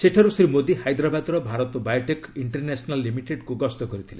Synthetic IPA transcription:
seʈʰaɾusɾimod̪ihajd̪ɾabad̪ɾɔbʱaɾɔt̪ɔbajɔʈekiɳʈɔɾnesɔnalːimiʈeɖkuɡɔst̪ɔkɔɾit̪ʰilḛ

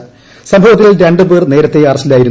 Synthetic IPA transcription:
sɐmbʱɐʋɐt̪̬ːilɾe̞ɳɖɨbeːrne̞ːɾɐt̪ːeɐrɐsilaːjiɾunː

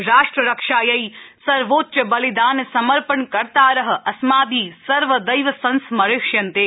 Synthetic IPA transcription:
ɾaːʂʈɾəɾɐkʂaːjɐisɐɾʋoːt̪ːt͡ʃəbɐlid̪aːnsɐmɐɾpənkɐɾt̪aːɾɐɦ̆ɐsmaːd̪iːsɐɾʋəd̪ɐjʋɐsɐ̃nsmɐɾɪʃjɐnt̪eː

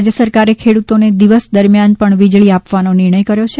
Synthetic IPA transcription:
d͡ʒjəsəɾkaɾekʰeɽut̪oned̪iʋəsd̪əɾmjanpəɳʋid͡ʒɭiapʋanonɪɾɳ̃əjkəɾjot͡ʃʰe

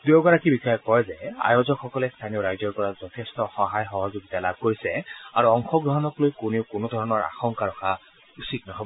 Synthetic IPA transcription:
dujoɡaɹakibixɔjɔkɔjzɛa̰jozɔkxɔkɔlɛst̪ʰaniɔɹajzɔɹpɔɹazɔtʰestɔxɔɦajxɔɦɔzoɡitalab̚ʱkoɹisɛaɹuɔŋxʰɔɡɹɔɦɔnɔklojkuniʊkʊnodʱɔɹɔnɔɹa̰xɔŋkaɹɔxa | usiknɔɦɔbɔ

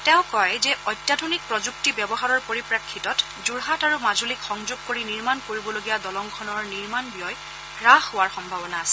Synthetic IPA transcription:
tɛʊ̃kɔjzɛʔɔjtjadʱonik̚pɹɔzuk̚tibjɔbɔɦaɹɔɹpoɹipɹakʰːitɔt | zuɹɦataɹumazulikxɔŋzuɡ̚koɹiniɹmankoɹibɔloɡijadɔlɔŋkʰɔnɔɹniɹmanbijɔj | ɹaxːowaɹxɔmbʱabɔnaːsɛ

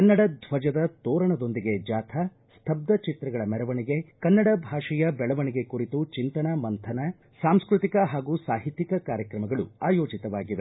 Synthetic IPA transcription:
kɐnːɐɽɐd̪ʱʋɐd͡ʒɐd̪ɐt̪ɔːɾɐɳɐd̪o̞nd̪iɡe̞d͡ʒaːt̪ʰɐ | st̪ʰɐb̚d̪ɐt͡ʃit̪ɾɐɡɐɭɐmɛɾɐʋɐɳiɡe̞kɐnːɐɽɐbʱaːʂɛjɐbɛɭɐʋɐɳiɡe̞kuɾit̪ut͡ʃint̪ɐnɐmɐnt̪ʰɐnɐ | saːmskɾut̪ikɐɦaːɡuːsaːɦit̪ːikɐkaːɾjɐkɾɐmɐɡɐɭṵaːjoːd͡ʒit̪ɐʋaːɡiʋe̞

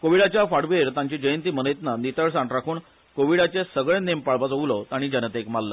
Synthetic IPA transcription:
koʋiɽat͡ɕjafaɽʋeɾt̪ãɲt͡ɕid͡ʑəjənt̪iːmənəjt̪nanit̪əɭs̬ãɳʈɾakʰuːɳ | koʋiɽat͡ɕesəɡɭẽnempaɭpat͡sɦoʋlot̪aɽ̃iːd͡ʑənət̪ekmalːə

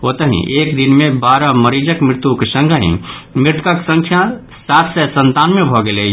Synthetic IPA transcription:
ɦoːt̪əɦḭ̃ʔeːkd̪inmẽbaːɾəməɾid͡ʒəkmɾɪt̪ukesə̃ŋɡʱəɦḭ̃mɪɾɪt̪kəksə̃ŋkʰja | saːt̪sɛsə̃nt̪aːnmẽbʱɔɡele

